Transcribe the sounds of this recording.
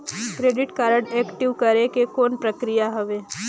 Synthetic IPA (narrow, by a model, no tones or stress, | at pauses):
kɾeːɖɪʈkaːɾəɽeːkʈiʋkɐɾekekoːnpɾəkɾijaɦɐʋeː